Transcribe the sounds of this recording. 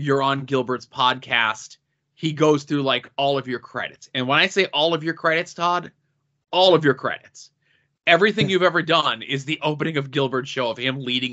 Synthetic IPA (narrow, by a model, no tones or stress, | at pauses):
jə˞ə̃nɡɪlˠbə˞dz̥pʰɑd̚kʰæ̰st̚ | hiɡoʊz̥θɹʉlaɪkɔlˠʌvjə˞kʰɹ̥ɛ̰ɾɨtsɨ̃nwə̃ñaɪseɪʔɔlˠʌvjə˞kʰɹ̥ɛɾɨtstʰɑɾ | ɔlˠʌvjə˞kʰɹ̥ɛ̰ɾɨts | ɛvɹiθɪ̃ŋjʉvɛvə˞dʌ̃nɪzðiʔoʊp̬ɨñɪ̃ŋʌvɡɪlˠbə˞d̥ʃoʊʌv̥ɨ̃mliɾɪ̃ŋ